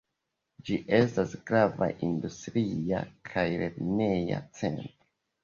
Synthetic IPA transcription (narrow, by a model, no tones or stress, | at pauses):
d͡ʒiʔe̞stasɡɾava̰ʔindustɾia̰kʰajɾebne̞ja̰t͡se̞̰ntɾo